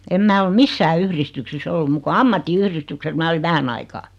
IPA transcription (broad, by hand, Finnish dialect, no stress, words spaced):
em mæ ol misːæː yhristyksisː olːu muk ko ɑmːɑtːiyhristykses mæː oliʋ ʋæhæn ɑikɑː